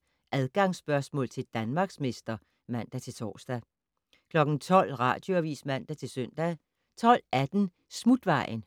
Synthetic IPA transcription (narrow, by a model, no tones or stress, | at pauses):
ʔæðˠɡ̥ɑ̈ŋsb̥ɶɐsmɔ̰ːlt͡sʰe̝ld̥ænmɑ̈ːɡ̥sme̝sd̥ɐ | mæn̰d̥æt͡sʰe̝lt͡sʰɒ̰ːsd̥æ | kʰlɒ̽ɡ̥n̩t͡sʰɒ̽l̰ʁɑ̰̈ːd̥jo̝æʋḭːsmæn̰d̥æt͡sʰe̝lsøn̰d̥æ | t͡sʰɒ̽l̰æd̥n̩ | smud̥ʋɑ̈ɪ̰n